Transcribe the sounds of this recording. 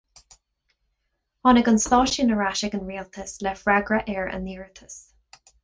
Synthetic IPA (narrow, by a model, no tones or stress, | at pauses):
ɔnəɡə̃nstɔʃiənəɹaʃɪkə̃nɹiəlˠt̪ʰɪslɛfɹɛɡɹəʔɛːɹə̰̃nðiɜɹθʰə̥s